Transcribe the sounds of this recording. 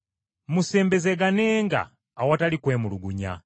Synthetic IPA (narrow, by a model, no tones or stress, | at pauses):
musɛmbɛzɛɡanɛːŋɡa̰ː | watalikweːmuluɡuɲa̰